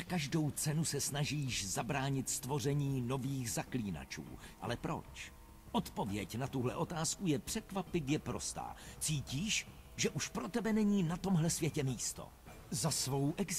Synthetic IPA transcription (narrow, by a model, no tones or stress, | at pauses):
akaʒdo̞wt͡sɛnusɛsnaʒiːʃzabɾaːɲɪt̪st̪vo̞r̝ɛɲiːno̞viːxzakliːna̰t͡ʃṵːʔa̰lɛpɾo̞̰t͡ʃ | ʔo̞t̪po̞vjɛcnat̪uɦlɛʔo̞t̪aːskujɛpr̥ɛkvapɪvjɛpɾo̞̰st̪a̰ːt͡siːciːʃ | ʒɛʔuʃpɾo̞t̪ɛbɛnɛɲiːnat̪o̞mɦlɛsvjɛcɛmiːst̪o̞̰ | zasvo̞wʔɛɡz